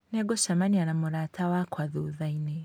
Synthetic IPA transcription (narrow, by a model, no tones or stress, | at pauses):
neɡoʃamanianamuɾatawakwaðuðaine